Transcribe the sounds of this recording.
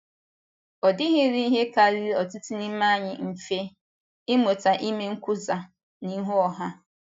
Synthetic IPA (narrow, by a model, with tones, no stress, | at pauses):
ɔ˨dɪ˦ɦɪ˦ɾi˦ɦe˦ka˨ɾi˦ɔ˨tɪ˦ti˦ni˦m̩˦ma˦˨ɲɪ˨m̩˨fe˦ | ɪ˦mo˨ta˨ʔɪ˦me˦ŋ̩˦kʷʊ˦za˨ | ni˦ɦʊ˦ɔ˨ɦa˦